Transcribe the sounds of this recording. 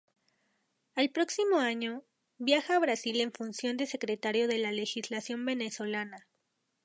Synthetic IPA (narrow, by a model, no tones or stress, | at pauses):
alpɾo̞ksimo̞aɲo̞ | βjaxaːβɾasile̞ɱfunsjo̞nd̪e̞se̞kɾe̞t̪aɾjo̞ðe̞lale̞xizlasjo̞mbe̞ne̞so̞lana